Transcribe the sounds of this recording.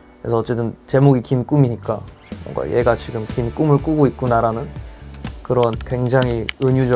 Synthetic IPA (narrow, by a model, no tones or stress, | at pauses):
kɾesʰʌʌt͡ɕ͈e̞t͈ɯnt͡ɕe̞moɡikink͈umiɲik͈a | wʌ̰ŋɡa̰je̞̰ɡat͡ɕiɡɯmkink͈umɯɭk͈uɡoit̚k͈unaɾanɯn | kɯɾʌnkwe̞ŋd͡ʑaŋɦiɯɲud͡ʑʌ